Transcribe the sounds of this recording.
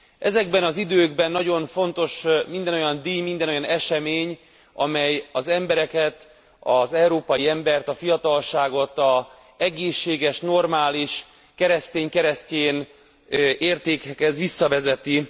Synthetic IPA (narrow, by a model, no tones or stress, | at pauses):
ʔɛzɛɡbɛnɒzid̪øːɡbɛnːɒɟo̞ɱfo̞nt̪o̞ʃmind̪ɛnojɒnd̪iːmind̪ɛnojɒnɛʃɛmeːɲ | ɒ̰mɛjɒzɛmbɛɾɛkɛt̪ | ɒzɛuɾoːpɒjiɛmbɛrt̪ɒfijɒt̪ɒlʃaːɡo̞t̪ɒ | ɛɡeːʃːeːɡɛʃno̞rmaːliʃ | kɛɾɛst̪eːɲkɛɾɛsceːn | eːrt̪eːkɛkɛzʋisːɒvɛzɛt̪i